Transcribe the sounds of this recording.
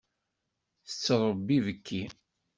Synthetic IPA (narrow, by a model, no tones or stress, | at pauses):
θə̥t͡sːəɾˤəbːivəkʰːi